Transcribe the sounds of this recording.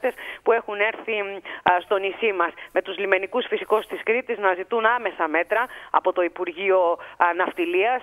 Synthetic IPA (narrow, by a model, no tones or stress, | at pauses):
t̪e̞spue̞xune̞ɾθist̪o̞nisimɐsme̞t̪uzlime̞nikusfisiko̞st̪iskɾit̪iznɐzit̪unɐme̞sɐme̞t̪ɾɐɐ̰po̞t̪o̞ipuɾʝio̞nɐft̪iliɐs